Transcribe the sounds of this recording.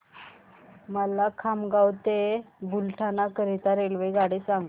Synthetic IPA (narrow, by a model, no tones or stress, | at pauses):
məlakʰamɡawt̪ebulʈʰanakəɾet̪aɾelʋəjɡaɽisãŋɡ